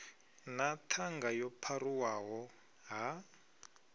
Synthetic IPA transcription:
natʰaŋɡajɔpʰaruwaɦɔ | ɦa

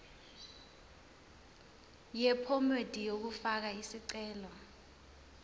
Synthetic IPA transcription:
jɛpʰɔmed̥ʱijok̬ufak̬aisiǀɛːlɔ

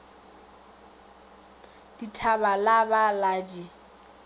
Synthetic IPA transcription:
d̥itʰabalabalaːd͡ʒi

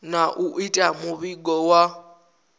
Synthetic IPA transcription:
naʔuʔitʼamʊβiɡɔwa

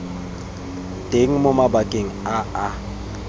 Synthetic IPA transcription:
tʼeŋ̩mʊmabakʼeŋ̩aa

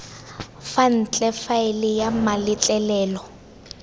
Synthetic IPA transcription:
fan̩t͡ɬʼɛfaɪlɪjamalɪt͡ɬʼɛlɛːlɔ

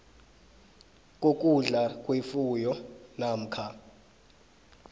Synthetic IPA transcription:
kʼokʼuɮakʼwefujɔnam̩ːkʰa

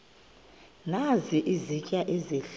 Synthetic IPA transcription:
naziʔizicʼaʔezeɬ

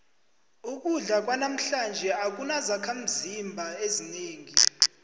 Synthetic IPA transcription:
uk̬ʼuɮak̬wanam̩ɬand͡ʒʱɛak̬unazakʰam̩zimbʱaezineːŋi

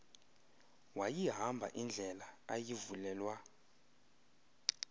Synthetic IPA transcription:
wajiɦambʱa̰ʔind͡ɮʱɛlaajivulɛːlwa

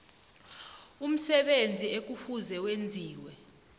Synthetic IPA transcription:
um̩sɛɓend͡zʱiek̬ufuzɛwend͡zʱiːwɛ

